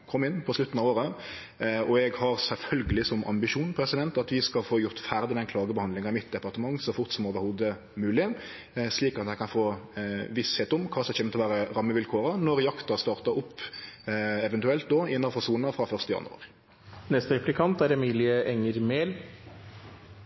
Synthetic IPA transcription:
kʰɔmːɪnːpʰɔslʉt̪ən̩ɑʋoːʁə | ɔɛɡhɑʁsɛlfœlɡəlɪsɔmʔɑ̰mbɪʃuːnpʰɾɛsɪd̪ɛnt̪ɑt̪ʋɪskɑlfoːjʊʁt̪fæʁd̪ɪd̪ɛnkʰlɑːɡəbəhɑnd̪lɪŋɑɪmɪt̪̚d̪ɛpɑʁt̪əmɑŋːsɔfʊʁt̪sɔmoːʋəɾhuːd̪ə | mʉːlɪ | sliːkɑt̪æɪkɑnfoːʋɪsheːt̪ʊmkʰɑːsɛçeːmət̪ɪlʋæːʁəʁɑmːəʋɪlkʰoːɾɑnɔɾjɑkt̪ɑst̪ɑːʁt̪ɑʊpː | ɛʋɛnt̪ʉɛlt̪̚d̪oːɪnːɑfɔʁsuːnɑfʁɑfœʁst̪əjɑ̰nʉ̰ɑ̰ʁ | nɛst̪əɾɛplɪkʰɑnt̪æɾɛmiːlɪəʔɛŋːəɾmeːl

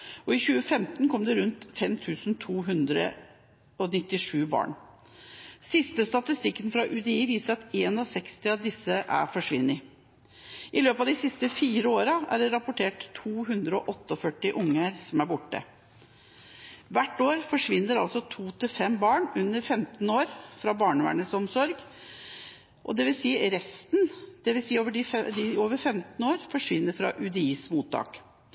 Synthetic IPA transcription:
ʔɔɪçʉːəfɛmt̪nkʰɔmd̪ɛɾʉnt̪fɛmt̪ʰʉːsn̩t̪ʰuːɦʉnd̪ɾə̰ | ɔnɪt̪ːɪʂʉːbɑ̰ːɳ | sɪst̪əst̪ɑt̪ɪst̪ɪkːənfɾɑʔʉd̪ɛiːʋiːsəɾɑt̪eːnɑsɛkst̪ɪɑʋd̪ɪsːəʔæ̰ɾfɔʂʋɪnːɪ | ʔɪløːpɑʋd̪ɪsɪst̪əfiːɾəoːɾɑæ̰ɖɛɾɑpʊʈʰeːʈt̪ʰːuːɦʉnd̪ɾəɔʔɔt̪ːəɔfœʈːɪʔʊŋːəɾsɔmæɾbʊʈːə̰ | ʋæʈːoːɾfɔʂʋɪnːəɾɑ̰lsɔt̪ʰuːt̪ʰɪlfɛmbɑːɳʉnːəɾfɛmt̪n̩oːɾfɾɑbɑːɳəʋæ̰ɳəsɔmsɔɾɡ | ʔɔ̰d̪ɛʋɪlsiːɾɛst̪nd̪̥ɛʋɪlsiːoːʋəɖɪɛd̪ɪoːʋəɾfɛmt̪n̩oːɾfɔʂʋɪnːəɾfɾɑ̰ʔʉd̪ɛiːsmuːt̪ʰːɑ̰ːk

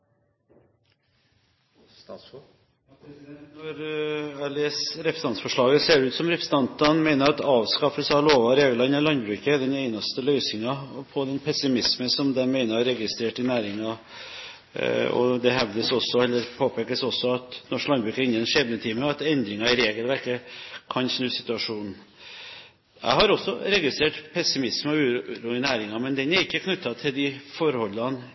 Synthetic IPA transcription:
pd̪ɛnt̪nɔɾɑɭesɾɛpʰɾəsɑnsfɔʂɭɑːɡəseːɖɛʉːt̪sɔmɾɛpɾəsəɑnt̪ɑnmæɪnəɾɑt̪ɑːʋskɑfəshɑloːʋɑɾeːɡlɑɪnəlɑnbɾʉːkəd̪ɛnɛɪnɑst̪əlœʏsɪŋɑpʰɔd̪ɛnpʰɛsɪmɪsməsɔmd̪ɛnmæɪnəɾɑɾɛɡɪst̪ɾeːʈɪnæːɾɪŋɑ | ɔ̰d̪ɛɦɛʋd̪əsɔsːɔɛlːəɾpʰoːpʰekəsɔsːɔɑt̪nɔʂklɑnbɾʉːkəɾɪnːəɛnʂɛbnət̪ʰiːməɑt̪ɛnd̪ɾɪŋɑɪɾeːɡəlʋæɾkəkʰɑnsnʉːsɪt̪ʉɑʂuːnn̩ | æ̰ɪhɑɾɔsːɔɾɛɡɪst̪ɾeːʈpʰɛsɪmɪsmɔʉːɾuːɪnæːɾɪŋɑmɛnd̪ɛnæɾɪkːəkʰnʉt̪ːɑt̪ʰɪld̪ɪfɔɾhɔlːɑn

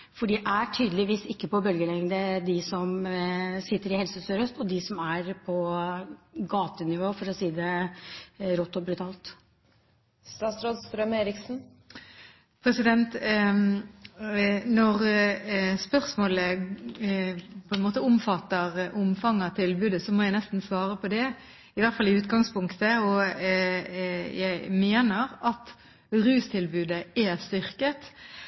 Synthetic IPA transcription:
fɔɖiʔæʈʰyːd̪əlɪʋiːsɪkːəpɔbœlɡəlɛŋd̪əd̪ɪsɔm | sɪt̪ːəɾɪhɛlsəsøɾœst̪ɔd̪ɪsɔmæɾpʰɔ | ɡɑːt̪ənɪʋoːfɔɾɔsiːd̪ə | ɾɔt̪ːɔbɾʉt̪ʰɑːlt̪ | st̪ɑːt̪sɾoːd̪st̪ɾœmeːɾɪksn̩ | pʰɾɛsɪd̪ɛnt̪ | nɔʁ | spœʁsmoːlə | pʰɔɛnmoːt̪əʊmfɑt̪ːəʁʔʊmfɑŋːɑt̪ʰɪlbʉːd̪əsɔmoːjæɪnɛst̪n̩sʋɑːɾəpʰɔd̪ɛ | ɪʋæɾt̪fɑlɪʉːt̪ɡɑŋspʊŋkt̪əɔ | jæɪmeːnəɾɑt̪ | ɾʉːst̪ʰɪlbʉːd̪əɛst̪ʏʁkət̪

